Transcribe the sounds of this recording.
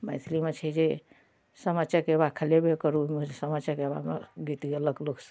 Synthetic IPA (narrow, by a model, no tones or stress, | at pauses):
məɪt̪ʰlimet͡ʃʰɛd͡ʒe | səmət͡ʃakebakʰəlebekəɾumesəmət͡ʃəkeba̰mḛɡit̪iələɡloksə̥